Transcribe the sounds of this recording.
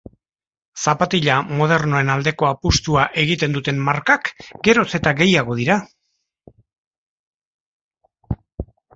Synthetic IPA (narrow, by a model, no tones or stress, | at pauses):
sapat̪iʎamo̞ð̞e̞ɾno̞e̞nald̪e̞ko̞apust̪uaʔe̞ɣit̪e̞nd̪ut̪e̞mmaɾkakɡe̞ɾo̞t͡se̞t̪aɡe̞jaɣ̞o̞ð̞iɾa